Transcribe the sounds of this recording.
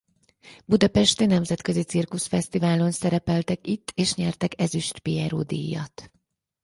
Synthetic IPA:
bud̪ɒpɛʃt̪enɛmzɛt̪kø̞zit̪sirkusfɛst̪ivaːlo̞nsɛɾɛpɛlt̪ɛkit̪ʰːeːʃɲɛrt̪ɛkɛzyʃt̪piɛɾo̰ːd̪ḭjːɒ̰t̪

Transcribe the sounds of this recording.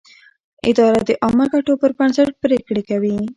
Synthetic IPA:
ɪ̰d̪ɑːɾad̪eʔɔmakaʈopəɾpaɳsəɽpɾekɽekawi

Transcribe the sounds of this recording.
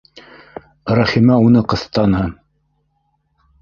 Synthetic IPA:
ɾɑχimæunɤqɤ̆θt̪ɑnhɤn

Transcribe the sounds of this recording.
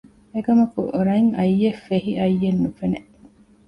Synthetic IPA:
ekɐmɐkṵɾɐŋɐjːefeɦiʔɐjːenːufene

